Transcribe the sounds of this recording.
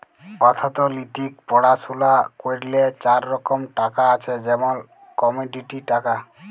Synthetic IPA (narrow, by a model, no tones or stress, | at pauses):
kɔt̪ʰat̪ɔlit̪ik̚pɔɽasulakoɾlet͡ɕaɾːɔkɔmʈakaːt͡ʃʰed͡ʒɛmɔn | kɔmuɖiʈiʈaka